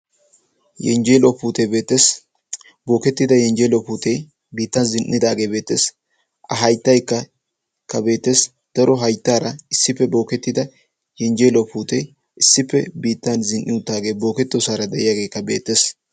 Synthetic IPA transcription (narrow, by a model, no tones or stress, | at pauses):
jɛ̰nd͡ʒeːlopuːt̪ebe̞ːt̪ːes | bo̞ːkɛt̪ːɪd̪ɐjɛnd͡ʒelopuːt̪e | biːt̪ːɐnzɪnʔɪd̪aːɡe̞ːbe̞ːt̪ːeːs | ɐɦɐjt̪ːɐjkːɐ | kːɐbe̞ːt̪ːe̞ːs | t̪ɐɾɔɦɐjt̪ːaːɾɐɪsːɪpːɛbo̞ːkɛt̪ːɪd̪ɐ | jɛnd͡ʒelopuːt̪ej | ɪsːɪpːɛbiːt̪ːɐnzɪnʔːɪʊt̪ːaːɡe̞ːbo̞ːkɛt̪ːɔsaːɾɐd̪ɛʔɪjaːɡe̞ːkːɐbe̞̰ːt̪ːe̞ːs